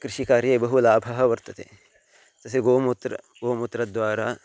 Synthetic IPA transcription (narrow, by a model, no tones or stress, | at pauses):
kɾɪʃikaːɾjɐbɐɦulaːbʱɐɦɐʋɐɾt̪ɐt̪ḛː | t̪ɐs̬eɡoːmut̪ɾɐ̰ | ɡoːmut̪ɾɐd̪ʋaːɾa̰ː